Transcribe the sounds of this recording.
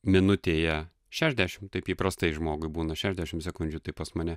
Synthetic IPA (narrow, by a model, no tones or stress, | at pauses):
mʲɪnʊt̪ʲeːjɛ | ʃʲæːʒʲd̪ʲæʃʲɪmt̪ɐɪpjiːpɾɐst̪ɐɪʒmoːɡʊɪbuːnɐʃʲæːʒʲd̪ʲæʃʲɪmsʲɛkʊnʲd͡ʒʲut̪ɐɪpɐsmɐnʲɛ